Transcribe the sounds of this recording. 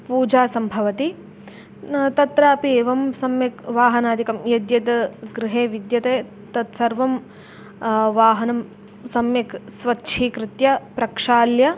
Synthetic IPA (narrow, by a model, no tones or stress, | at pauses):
puːd͡ʒaːsɐmbʱɐʋɐt̪i | t̪ɐt̪ɾaːpieːʋɐmsɐmjɐkʋaːɦɐnaːd̪ikɐmjɐd̪jɐd̪ɐɡɾɪɦeːʋid̪jɐt̪eː | t̪ɐt̪sɐɾʋɐm | ʋaːɦɐnɐm | sɐmjɐksʋɐtːʃʰiːkɾɪt̪jɐpɾɐkʂaːljɐ